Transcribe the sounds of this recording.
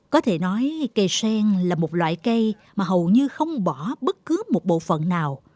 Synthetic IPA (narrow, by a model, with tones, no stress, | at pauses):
kɔ˨˦t̪ʰe˧˩nɔ˨˦jkə˧jsɛ˧ŋlaː˨˩mo˨˩t̚lwa̰ː˧˨jkə˧j | maː˨˩ɦə˨˩wɲɨ˧xə˧wŋ͡mɓɔ˧˩ɓə˦˥t̚kɨ˨˦mo˨˩t̚ɓo̰˧˨fə̰˧˨nːaː˨˩w